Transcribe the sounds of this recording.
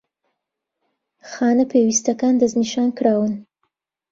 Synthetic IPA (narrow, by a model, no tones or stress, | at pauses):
xɑːnapewist̪akɑnd̪aznɪʃɑːnkɽɑwən